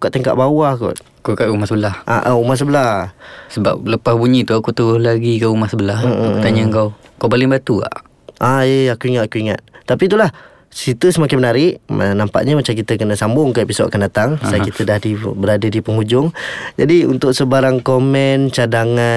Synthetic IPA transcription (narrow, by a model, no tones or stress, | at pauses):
ukaʔt̪əŋka̰ʔbawahkɔ̰ʔ | kukaʔumahsəbəlahʔa̰ʔəumahs̬əbəlahsəba̰p̚ləpasbuɲit̪uakut̪əɡʊhlaɡikəumahsəbəlah̩ət̪aɲaŋkaw | kawbalɪŋbat̪ua̰ʔ | ʔaeakuiŋat̪akuiŋa̰t̪̚ːapit̪ulah | sit̪usəmakɪnmənaɾɪʔma̰nampa̰ʔɲamat͡ʃamkit̪əkənəsambʊŋkaʔepisɔʔa̰kandat̪aŋsajkit̪ədahdibəɾadadipəŋud͡ʒʊŋd͡ʒadiṵnt̪ʊʔsəbaɾaŋkomɛnt͡ʃadaŋa